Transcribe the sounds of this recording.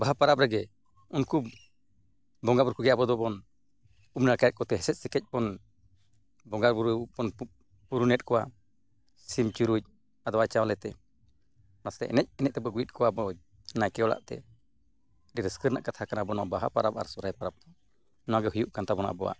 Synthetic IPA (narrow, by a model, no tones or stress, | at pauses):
baɦapaɾap̚ɾɛɡɛ | unku | bɔŋɡabɾkuɡɛjabɔd̪ɔbɔn | umnaɾkajɛt̪̚kɔt̪ɛɦɛsɛt̪̚sɛkɛc̚pɔn | bɔŋɡaɾbuɾupɔn | puɾunɛt̪̚kɔwa̰ | simt͡ʃuɾuc̚ | ad̪ɔwat͡ʃawlɛt̪ɛ | nast̪ɛ̰ʔɛ̰nɛc̚ɛnɛc̚t̪ɛbɔɡuit̪̚kɔwabɔ | najkɛɔla̰ʔt̪ɛ̰ | ɖiɾɛskəɾnaʔkat̪ʰakanabɔnɔ̰ʔbaɦapaɾaba̰ɾsɔɾajpaɾap̚t̪ɔ | nɔaɡɛɦujuʔkant̪abɔna̰ʔbɔwa̰ʔ